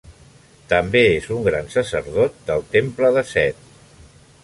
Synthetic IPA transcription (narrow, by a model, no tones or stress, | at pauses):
t̪əmbeezuŋɡɾansəsəɾðot̪̚d̪əlˠt̪empləðəsɛt̪̚